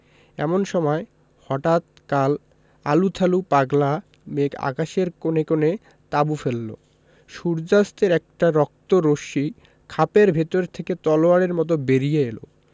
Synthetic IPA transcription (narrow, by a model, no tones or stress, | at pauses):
ɛ̰monʃɔmɔe | hɔʈat̪̚kal | alut̪ʰalupaɡla | meka̰kaʃeɾkonekone | t̪abufelːo̰ | ʃuɾd͡ʑast̪eɾɛk̚ʈaɾɔk̚t̪oɾoʃi | kʰapeɾbʱet̪oɾet̪ʰeket̪ɔloaɽeɾmɔt̪̬obeɾijeelo̰